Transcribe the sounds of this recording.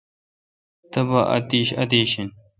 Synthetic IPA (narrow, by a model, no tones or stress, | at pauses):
t̪ɐbɐʔɐ̰t̪iːɕɐ̰d̪eːɕin